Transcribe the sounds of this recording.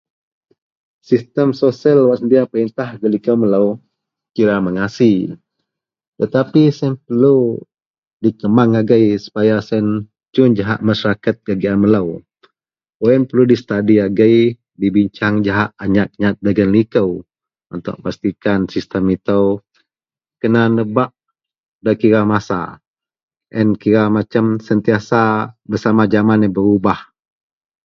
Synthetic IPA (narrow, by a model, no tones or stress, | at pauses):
sist̪əmsosiəlwaʔsənd̪iapəɾint̪ahɡəlikəwmələw | kiɾaməŋasi | t̪ət̪apisɛnpərlu | dikəmaŋaɡəjsu̥pajasɛn | t͡ʃʊnd͡ʒaɦaʔmaʃaɾakat̪̚ɡaɡianmələw | oɛnpəɾludist̪adiaɡəj | dibiɲt͡ʃaŋd͡ʒaɦaʔaɲat̪̚ɲat̪̚daɡənlikəw | unt̪ʊ̰ʔ̚past̪ikansist̪əmit̪əw | kənanəbaʔ | dakiɾamasa̰ | ʔənkiɾamat͡ʃamsənt̪iasabərsamad͡ʒamanəbəɾubah